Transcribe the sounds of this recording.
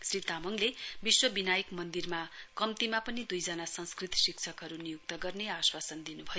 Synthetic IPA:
srit̪amʌŋlebiswʌbinajʌkmʌnd̪irmakʌmt̪imapʌnid̪ujd͡zʌnasʌnskrit̪sikt͡sʰʌkɦʌɾunijuk̚t̪ʌɡʌrneaswasʌnd̪inubʱʌjo

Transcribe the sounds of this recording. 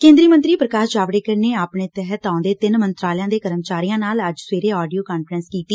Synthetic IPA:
kẽːnd̪ɾiːmə̃nt̪ɾiːpɾəkaːʃd͡ʒaːʋɽeːkəɾneːaːpɳeːt̪ɛɦət̪ãʊ̃d̪eːt̪ɪnmənt̪ɾaːljãːd̪eːkəɾəmt͡ʃaːɾijãːnaːləd͡ʒsʋeːɾeːɔːɖijoːkaːnfʰɾənskiːt̪iː

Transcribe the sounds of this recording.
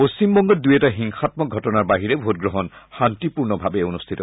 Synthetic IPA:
post͡ɕimbɔŋɡɔdujɛtaɦiŋxatmɔɡʱɔtɔnaɹbaɦiɹebʱot̚ɡɹɔɦɔnxantipuɹnɔbʱabeonust̪ʰitɔ

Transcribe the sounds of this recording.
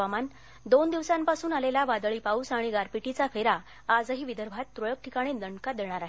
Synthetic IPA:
aman | d̪ond̪iʋsampasuːnalelaʋad̪ɭipauːsaɽ̃iɡaɾpiʈit͡safeɾaː | d͡zəɦiːʋid̪əɾbʱat̪ːɾoɭək̚ʈʰikaɽ̃id̪əɳɖkad̪eɽ̃aɾaɦe

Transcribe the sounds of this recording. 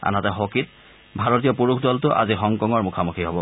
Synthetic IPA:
a̰natɛxokit̚ | bʱaɹot̬ijɔpuɹukʰdɔltʊʔa̰zixɔŋkɔŋɔɹmukʰamukʰiɦɔbɔ

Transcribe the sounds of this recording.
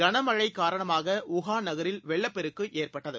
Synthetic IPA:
ɡɐɳɐmɐɻɐɪkːaːɾɐɳɐmaːɣɐʊɣaːnɐɣɐɾɪlʋɛɭːɐpːɛɾɯkːɯʔeːrpɐʈːɐðɯ

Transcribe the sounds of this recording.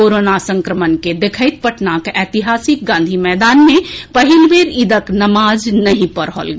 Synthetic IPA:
oːɾoːnasə̃ŋkɾəmənked̪ekʰəɪt̪̚pəʈnakɛːt̪iɦaːsɪk̚ɡãːnd̪ʱimɛːd̪aːnmẽpəɦɪlbeːɾɪd̪əknɐmaːd͡ʒnɐɦĩpəɾɦɔ̰lɡ

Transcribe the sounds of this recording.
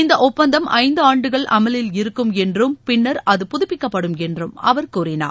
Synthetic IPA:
ɪnd̪ɐʔɔpːɐnd̪ɐmʔɐ̰ɪnd̪ɯaːɳɖɯɣɐɭʔɐ̰mɐlɪlɪɾɯkːɯmɛndrɯmpɪnːɐɾɐðɯpʊðʊpːɪkːɐpːɐɽɯmɛndrɯmɐ̰ʋɐɾkuːrɪna̰ː

